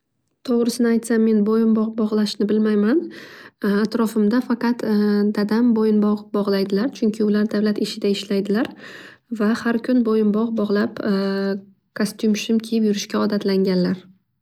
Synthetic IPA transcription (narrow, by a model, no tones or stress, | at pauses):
t̪ʰoʁɾɪsɪnɪajt̪samːe̞nbojɪmbɒʁbɒʁlˠaʃnɪbɪlmajman | at̪ɾɒfɪmd̪afɑqɑt̪d̪ad̪ambojɪnbɒʁbɒʁlˠajd̪ɪlaɾt͡ʃʰʊŋkʲʰɪʊlaɾd̪avlat̪ɪʃɪd̪aɪʃlajd̪ɪlaɾ | vahaɾkʲʰʊnbojɪmbɒʁbɒʁlˠap | kʰost̪ʊmʃɪmkʲʰejɪpjʊɾɪʃkʲaɒd̪at̪laŋɡʲanlaɾ